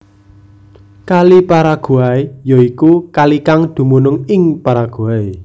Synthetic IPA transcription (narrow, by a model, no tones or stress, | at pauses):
kalipaɾaɡ̥ṳaejoikukalikaŋd̪̥ṳmunʊŋɪŋpaɾaɡ̥ṳae